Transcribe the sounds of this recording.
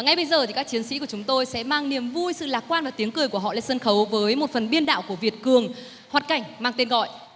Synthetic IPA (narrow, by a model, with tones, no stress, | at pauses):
ŋa˧jɓə˧jzəː˨˩t̪ʰi˨˩kaː˦˥k̚t͡ɕi˨˦ənsḭ˧˥ku˧˩t͡ɕʊ˨˦ŋ͡mt̪o˧jsɛ̰˧˥maː˧ŋni˨˩əmvu˧jsɨ̰˧˨laː˨˩k̚waː˧nvaː˨˩t̪i˨˦əŋkɨ˨˩əjku˧˩əɦɔ̰˧˨la̰˧˥sə˧nxə˨˦wvəː˨˦jmo˨˩t̚fə˨˩nɓi˧ənɗa̰ː˧˨wku˧˩əvi˨˩ət̚kɨ˨˩əŋ | hwaː˨˩t̚ka˨˩jŋ̟maː˧ŋt̪e˧nɣɔ̰˧˨jʔ